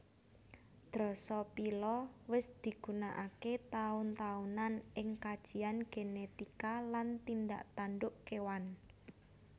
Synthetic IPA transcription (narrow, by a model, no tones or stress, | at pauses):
d̪̥ɾɔsɔpilɔwɪsd̪̥i̤ɡ̥unaʔaket̪aʊnt̪aunanɪŋkad̥ʒ̥i̤anɡ̥enet̪ikalant̪ind̪a̰ʔt̪anɖʊʔkewan